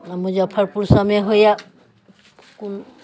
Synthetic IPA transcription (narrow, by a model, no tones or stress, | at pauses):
amuzapʰaɹpuɹsamɛɦoja | kun